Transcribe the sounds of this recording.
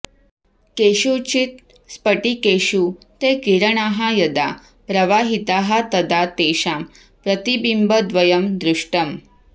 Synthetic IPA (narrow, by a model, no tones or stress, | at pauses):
keʃut͡ɕit̪ | spəʈikeɕu | t̪ekiɾəɳaɦajɐd̪a | pɾɐʋaːɦit̪aːɦat̪ɐd̪at̪eːʃaːm | pɾət̪ibimbəd̪ʋəjəmd̪ɾuʂʈəm